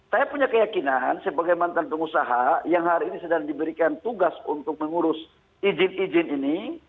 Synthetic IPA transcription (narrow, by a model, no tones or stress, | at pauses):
sajapuɲakəjakinansəbaɡajmant̪anpəŋusaɦajaŋɦaɾiinisədaŋdibəɾikant̪uɡasunt̪ʊk̚məŋuɾʊs | id͡ʒɪnid͡ʒɪnini